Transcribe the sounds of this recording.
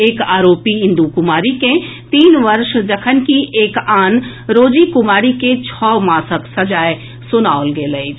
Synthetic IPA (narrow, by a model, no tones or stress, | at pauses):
eːkaːɾoːpiɪ̃nd̪ukʊmaːɾikẽ | t̪iːnʋɐɾʃd͡ʒɐkʰənkiʔeːkaːn | ɾoːd͡ʒikʊmaːɾiket͡ʃʰɔːmaːsəksɐd͡ʒaːe | sʊnaːolɡelɐi